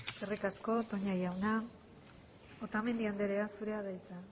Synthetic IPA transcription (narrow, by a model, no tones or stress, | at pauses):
erikasko̞t̪o̞ɲajawna | ot̪ame̞nd̪iand̪e̞ɾe̞asuɾe̞aðajt͡sa